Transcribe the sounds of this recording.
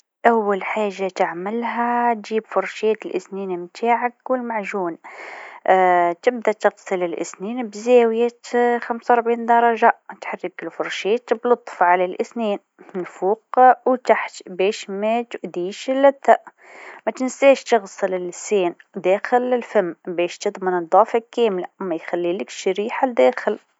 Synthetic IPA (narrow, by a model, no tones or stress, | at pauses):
ʔawːalħaːʒːat̪ɪʕmɪlɦat̪ʒiːbfʊɾˤʃeːt̪ɪlʔɪsniːnmt̪ʰaːʕakwɪlmaʕʒuːn | t̪ɪb̚d̪at̪ɪɣsˤɨlɪlʔɪ̰sniːnbzæːwjaxamsawɾˤbʕiːnd̪ɑɾˤɑʒat̪ħarːɪkɪlfʊɾˤʃeːt̪blʊt̪ˤːfʕalalʔɪsniːn | nfuːqwt̪aħt̪bɛːʃmæt̪ʊʔd̪iːʃlːæt̪ːaʔ | mæt̪ɪnsæːʃt̪ɨɣsˤɨlɪlɪseːnd̪æːxɪlɪlfæmːbɛːʃt̪ɨd̪ˤmənɨd̪ˤɑːfakːæːmlamæjxælːiːlɪkʃɾiːħad̪æːxɪl